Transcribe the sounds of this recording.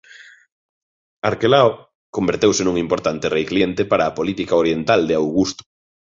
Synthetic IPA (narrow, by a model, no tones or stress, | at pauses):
aɾkelao | kombeɾt̪ewsɪnuŋimpoɾt̪ant̪ɪrejklient̪epaɾaːpolit̪ikaoɾjent̪ald̪ɪawɣust̪ʊ̥